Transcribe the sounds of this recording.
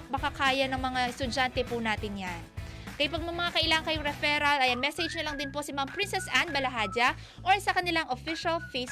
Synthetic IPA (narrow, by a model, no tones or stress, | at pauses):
mɐkɐkaːjɐnɐŋmɐŋaʔɛst̪ʊd͡ʒant̪ɛpunaːt̪ɪnjankɐjɪpɐɡ̚mɐmɐŋakɐʔɪlaːŋɐŋkɐjoŋɾɛfɛɾɐlʔɐjɐŋmɛsɛd͡ʒnɐlɐŋd̪ɪnpo̞sɪmampɾɪnsɛsʔanbɐlɐɦaːd͡ʒɐ | ʔoɹsɐkɐnɪlaŋʔofɪʃɐlfejs